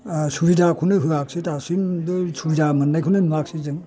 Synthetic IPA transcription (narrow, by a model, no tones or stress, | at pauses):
suɾizakʰunɯɦɯak̚sitasimdɯsuɾizamɐnːajkʰunɯnuak̚sizɯŋ